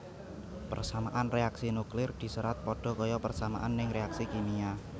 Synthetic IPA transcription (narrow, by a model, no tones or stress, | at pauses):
pərsamaʔanreaksinuklɪrd̪̥i̤səɾat̪̚pɔɖ̥ɔ̤kɔjɔpərsamaʔanːɪŋɾeaksikinia